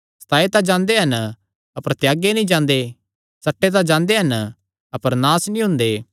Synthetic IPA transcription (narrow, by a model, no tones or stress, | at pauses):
st̪ʰaːet̪ad͡ʒãːnd̪eɦɐn | ɐpəɾt̪jaːɡenĩd͡ʒãːnd̪e | sɐʈːet̪̬ãd͡ʒãːnd̪eɦɐn | ɐpəɾnaːsnĩɦʊ̃nd̪eː